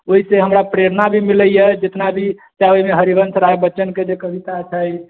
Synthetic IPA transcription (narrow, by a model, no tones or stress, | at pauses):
oɦiseɦəmɾapɾeɾnabʱimiləjəd͡ʒet̪nabʱit͡ʃajoɦimeɦəɾibənsɾaebəːt͡ʃənked͡ʒekəbit̪at͡ʃʰəj